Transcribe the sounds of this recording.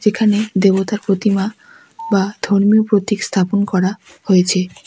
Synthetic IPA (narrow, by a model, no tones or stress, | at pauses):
d͡ʑekʰaned̪ebot̪aɾpɾot̪ima | bad̪ʱoɾmiopɾot̪ikst̪ʰaponkɔɾa | hojet͡ɕʰe